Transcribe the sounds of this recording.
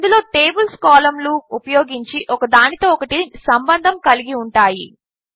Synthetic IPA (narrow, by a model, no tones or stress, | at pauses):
nd̪ulo̞ːʈe̞ːbulskaːlɐmluupɐjoːɡiɲt͡ʃiʔɔkɐd̪aːnit̪o̞ːɔkɐʈisɐmbɐnd̪ʱɐmkɐliɡiuɳʈaːji